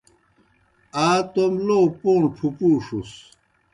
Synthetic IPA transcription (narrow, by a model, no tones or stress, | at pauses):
aːt̪omlopoːɳʈʰupuːʂus